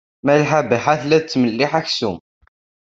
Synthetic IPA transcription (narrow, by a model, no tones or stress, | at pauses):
mælħabiħaθlæðt͡sːməlːɪħaçsum